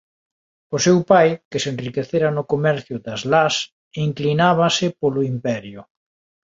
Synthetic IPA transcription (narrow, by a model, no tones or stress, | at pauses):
ʊsewpajkɪsenrikeθeɾanʊkomɛɾθjʊd̪azlas | iŋklinaβasɪpolʊimpɛɾjʊ